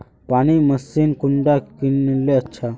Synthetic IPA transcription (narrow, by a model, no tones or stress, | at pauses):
paɽ̃iməsːinkuɳɖakinlːeətːɕʰa